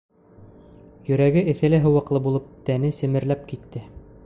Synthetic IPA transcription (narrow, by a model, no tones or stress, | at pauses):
jɵ̆ɾæɡɘʔɘ̆θæ̆lɘɦɤ̆wɤ̆qlˠɤbulˠɤp̚t̪ænɘsɘ̆mɘ̆ɾlæp̚kit̪ːɘ